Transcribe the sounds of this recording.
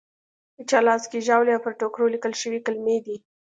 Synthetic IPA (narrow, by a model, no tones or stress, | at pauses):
pət͡ʃɑlɑzkeʒɑwleawpəɾʈokɾolikəlʃəwikalmed̪i